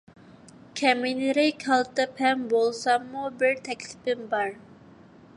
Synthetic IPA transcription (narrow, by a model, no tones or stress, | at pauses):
kʲʰɛminɪɾɪkʲhɑlˠt̪ʰɨpʰɛmbolˠsɑmːubɪɾt̪ʰɛkʲlɪ̥pɪmbɑɾ